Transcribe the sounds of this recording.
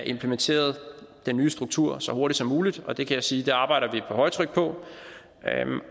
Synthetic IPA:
ʔe̝mpʰlement͡sʰe̝̰ːɐð̞̩ˠd̥enːyːəsd̥ʁuɡ̥̚t͡sʰuɐ̰sɒ̽ho̝ɐɾid̥sɒ̽mːuːlid̥ɒ̽d̥e̝kʰæjɑsiːd̥e̝ɑ̈ːb̥ɑ̈ɪ̰ɾɐʋipʰɒ̽ɦɒ̽ɪt͡sʰʁœɡ̥̚pʰɒ̽

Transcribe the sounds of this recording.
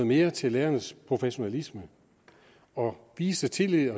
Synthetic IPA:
ð̩ˠme̝ːɐt͡sʰe̝lːeːɐnəspʰʁo̝feɕo̝nælismə | ɒ̽ʋiːsd̥ət͡sʰe̝lið̰ˠɐ

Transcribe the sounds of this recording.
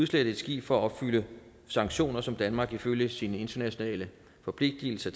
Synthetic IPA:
ðˠsled̥əe̝d̥sɡ̥ḭːb̥fɒ̽ɒ̽b̥fylə | sɑ̈ŋɡ̥ɕo̝̰ːnɐsɒ̽md̥ænmɑ̈ːɡ̥iføljəsiːnəe̝nd̥ɐnæɕo̝nɛ̰ːlə | fɒ̽pʰle̝ɡ̥̚d̥il̩sɐ

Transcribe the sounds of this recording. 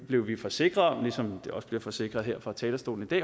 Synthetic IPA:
b̥le̝ʊʋifɒ̽se̝ɡ̥ʁɐðˠmlisɒ̽md̥e̝ɒ̽sb̥liɐfɒ̽se̝ɡ̥ʁɐð̞̩ˠeɐ̰fʁɑ̈t͡sʰɛːlɐsd̥o̝̰ːln̩id̥ɛ̰ː

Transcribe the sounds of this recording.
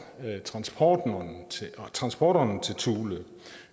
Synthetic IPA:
t͡sʰʁɑ̈nsb̥ʰɒːd̥nnt͡sʰet͡sʰʁɑ̈nsb̥ɒ̰ːɾɒnt͡sʰe̝lt͡sʰuːlə

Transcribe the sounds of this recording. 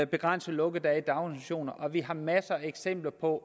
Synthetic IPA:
b̥e̝ɡ̥ʁan̰səlɔ̽ɡ̥əðd̥æɐid̥ɑ̈ʊnæɕo̝̰ːnɐʔɒ̽ʋiɦɑ̈mæsəæeɡ̥sem̰b̥lɐpʰɒ̽

